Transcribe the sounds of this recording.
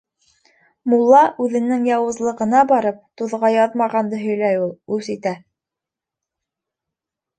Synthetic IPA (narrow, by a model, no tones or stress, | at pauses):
mulˠːɑʔʉðɘ̆nɘŋjɑwɤ̆zlˠɤ̆ʁɤ̆nɑbɑɾɤp̚t̪uðʁɑjɑðmɑʁɑnd̪ɤɦɵ̆jlæjulˠʉsit̪æ